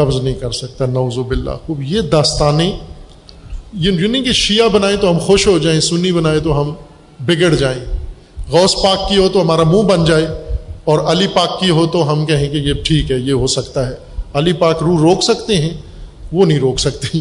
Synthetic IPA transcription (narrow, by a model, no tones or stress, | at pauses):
ɐbznɐɦĩkɐɾsɐk̚t̪anɐuːzobɪlːa̰ːxuːbjeːd̪aːst̪aːnẽ | jjunɦĩkeʃijabɐnaːẽt̪oɦɐmxoʃɦod͡ʒaːẽsʊnːibɐnaːẽt̪̬oɦɐm | bɪɡəɽd͡ʒaːẽ | ɣɔːspaːkːiɦot̪oɦɐmaːɾamũːbɐnd͡ʒaːeɔːɾɐlipaːkːiɦot̪oɦɐmkɛɦẽkejeʈʰiːkɦɛjeɦosɐkt̪aɦɛː | ɐlipaːkɾuːɾɾoːksɐkt̪eɦɛ̃ | ʋonɐɦĩɾoːksɐk̚t̪ẽ